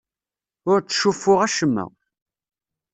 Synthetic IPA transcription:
ʊɾt͡sːʃufːʊʁæʃəmːæ̰

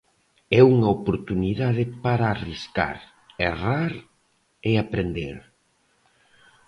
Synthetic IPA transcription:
ɛuŋaopoɾt̪uniðaðɪpaɾaːriska̰ɾ | eraɾ | eapɾend̪eɾ

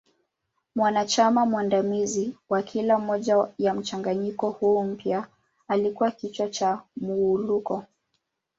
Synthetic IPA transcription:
mwanat͡ʃamamwandamiziwakʰilam̩mɔʄajam̩t͡ʃaŋɡaɲikɔhuːm̩pja | alikuwakit͡ʃwat͡ʃamuːlukɔ

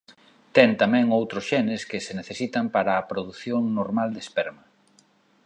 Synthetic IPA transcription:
t̪ɛnt̪amɛ̃ŋowt̪ɾosʃɛnɪskɪseneθesit̪ɐmpaɾaːpɾoðuθjoŋnoɾmald̪espɛɾmɐ

